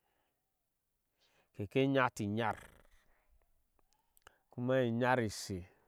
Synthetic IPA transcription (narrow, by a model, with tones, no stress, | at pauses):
ke˨ke˦ɲa˦ti˨ɲa˦˨ɾ | ku˦ma˦i˨ɲa˦ɾi˨se˨